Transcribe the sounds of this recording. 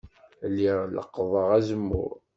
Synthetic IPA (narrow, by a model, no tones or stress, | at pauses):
lːiʁlə̰qːðˤəʁæzəmːʊ̰ɾ